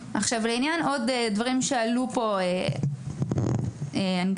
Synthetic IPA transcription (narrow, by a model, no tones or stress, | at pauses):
ʔaχʃavleinjano̞dedvaʁimʃealupo̞e | eani